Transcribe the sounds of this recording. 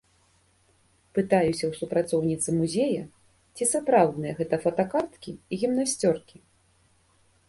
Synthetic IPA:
pɨt̪ajusʲɐwsupɾat̪sɔwnʲit̪sɨmuzʲejɐ | t͡sʲisapɾawd̪nɨjɐɣɛt̪ɐfɐt̪ɐkart̪kʲiiɣʲimnasʲt͡sʲɔrkʲi

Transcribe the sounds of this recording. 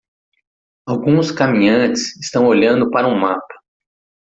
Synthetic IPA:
awɡũskamĩɲɐ̃t͡ʃɪsɪst̪ɐ̃w̃oʎɐ̃nd̪ʊpaɾɐũmapɐ̥

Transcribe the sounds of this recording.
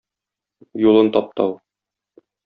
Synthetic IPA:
julˠɤnt̪ɒp̚t̪ɑw

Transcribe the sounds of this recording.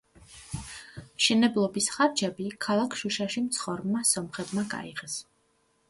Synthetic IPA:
ʃɛnɛblˠɔbisχaɾd͡ʒɛbikʰalˠakʰʃuʃaʃimt̪sʰχɔɾmːasɔmχɛd̪maɡa̰iʁɛs

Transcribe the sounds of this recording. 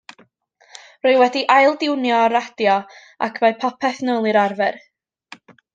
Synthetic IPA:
roɨwɛdiʔajlˠdɪwnjɔɾad̥jɔ | a̰kʰvaɨpʰɔpʰɛθnolˠɨɾarvɛr

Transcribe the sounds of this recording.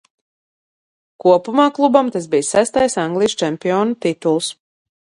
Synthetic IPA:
kuɔpumaːklˠubamt̪asbijsæst̪ajsaŋɡlˠiʃt͡ʃɛmpʲiɔːnut̪it̪ulˠs

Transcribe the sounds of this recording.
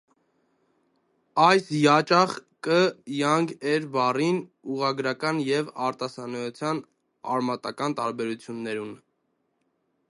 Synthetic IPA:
ɑjsjɑt͡ʃɑχkəjɑŋɡɛɾbɑrinuʁɑɡɾɑkɑnjɛvɑɾt̪ɑsɑnɔt͡sʰjɑn | ɑ̰ɾmɑt̪ɑkɑnt̪ɑɾbɛɾut͡sʰjunːɛɾun

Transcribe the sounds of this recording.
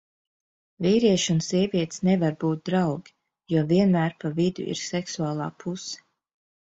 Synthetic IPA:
viːɾiɛʃunsiɛviɛt̪snɛvaɾbuːt̪̚d̪ɾawɡʲi̥ | juɔviɛnmæːɾpavid̪ṵʔḭɾsɛksuaːlˠa̰ːpʰusɛ̥

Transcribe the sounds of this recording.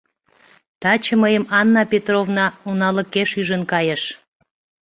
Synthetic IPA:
t̪ɑt͡ɕəməjəmɑnːɑpʲet̪rovnɑunɑlə̆keʃyʒənkɑjəʃ

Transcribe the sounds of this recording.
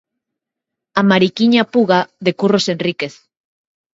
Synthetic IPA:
amaɾikiɲapuɣaðekurosenrikeθ

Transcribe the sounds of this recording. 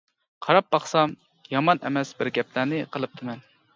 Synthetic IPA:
qʰɑɾɑp̚bɑχsɑm | jɑmɑnʔɛ̰mɛsbɪɾɡʲɛpʰlæɾnɪqʰəlˠɨp̚t̪ʰɨmɛn

